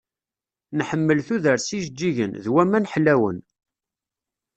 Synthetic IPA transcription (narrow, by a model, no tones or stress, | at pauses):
nħəmːəlθuðəɾsiʒdːiʝə̰nðwæmænħlæwə̰n